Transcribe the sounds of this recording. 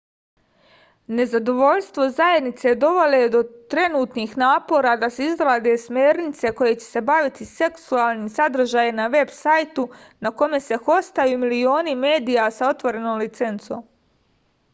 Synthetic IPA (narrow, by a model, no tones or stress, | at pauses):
ne̞zad̪o̞ʋo̞ʎst̪ʋo̞zajed̪nit̪se̞d̪o̞ʋo̞lʲed̪o̞t̪ɾe̞nuːt̪nixnaːpo̞ːɾaːd̪aseizɾaːd̪e̞smeːɾnit̪se̞ko̞je̞t͡ɕese̞baʋit̪ise̞ksuaːlˠnisad̪ɾr̩ʒaːjenaʋe̞bsajt̪unako̞me̞se̞xo̞st̪ajuːmilio̞ːnime̞ːd̪ijasao̞t̪ʋo̞ɾe̞noːmlit̪se̞nt̪so̰m